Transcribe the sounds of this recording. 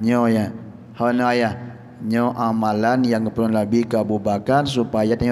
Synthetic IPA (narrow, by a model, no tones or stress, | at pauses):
ɲɔja | hanɔaja | ɲɔʔamalanjaŋkəpənunlabikabubakans̬upajat̪ɲ